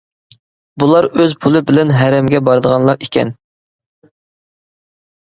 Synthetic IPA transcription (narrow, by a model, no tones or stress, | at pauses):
bulˠɑɾøzpʰulˠɨbɪlɛnɦæɾɛmɡʲɛbɑɾd̪əʁɑnlˠɑɾikʲʰɛ̰n